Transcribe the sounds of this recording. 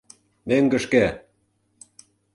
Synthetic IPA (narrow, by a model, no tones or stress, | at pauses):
meŋɡə̆ʃke